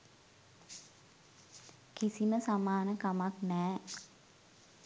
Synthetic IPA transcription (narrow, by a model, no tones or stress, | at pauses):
kisiməsamaːnəkamaknɛː